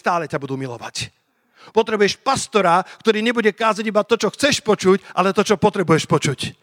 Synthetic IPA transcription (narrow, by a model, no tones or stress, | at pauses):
t̪aːlɛcabud̪uːmilɔ̰ʋa̰c | pɔt̪ɾɛbujɛʃpast̪ɔɾakt̪ɔɾiːɲɛbuɟɛkaːzaɟibat̪ɔt͡ʃɔxt͡sɛʃpɔt͡ʃucʔalɛt̪ɔt͡ʃɔpɔt̪ɾɛbujɛʃpɔt͡ʃuc